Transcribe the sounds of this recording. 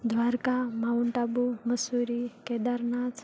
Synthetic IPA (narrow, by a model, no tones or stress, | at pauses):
d̪ʱʋaɾkamauɳʈabuməsuɾiked̪əɾɳat͡s